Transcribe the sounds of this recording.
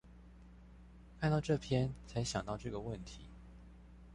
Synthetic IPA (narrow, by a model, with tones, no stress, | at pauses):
kʰa˥˧nt̪ɑ˥˧ʊʈ͡ʂɤ˥˨pʰjɛ˦nt͡sʰa˧˦ɪɕjɑ˨ŋt̪ɑ˥˧ʊʈ͡ʂɤ˥˩ɡə˩wə˥˨nt̪ʰi˨˦